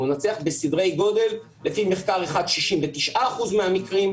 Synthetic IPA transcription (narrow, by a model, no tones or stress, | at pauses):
unat͡seaχbesidʁe̞jɡo̞d̪e̞lː | e̞fimeχkaʁeχad̪ʃiʃimvet̪iʃʔaːχuzmeamikʁim